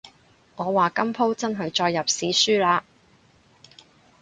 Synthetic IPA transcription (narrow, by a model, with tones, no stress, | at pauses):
ŋɔː˨˧waː˨kɐ˥mpʰo˥wt͡sɐ˥nɦɐ˨jt͡ʃɔː˧jːɐ˨p̚siː˨˥syː˥laː˧